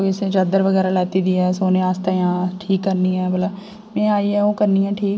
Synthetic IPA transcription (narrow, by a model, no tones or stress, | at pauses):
ɪsẽd͡ʒaːd̪əɾʋəɡɛːɾaːlɛːt̪iːd̪iːɛːsoːneːaːst̪aːjãːʈʰiːkːəɾniːɦɛːbələ | mɛ̃ːaːiːɦɛːoːkəɾniːɦɛ̃ːʈʰiːk